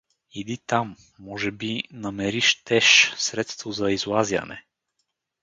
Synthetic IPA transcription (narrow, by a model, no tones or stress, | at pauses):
id̪it̪amː | ɔʒɛbinɐmɛɾiʃt̪ɛʃsɾɛt̪st̪vʊzɐizlˠazʲjə̰nɛ̰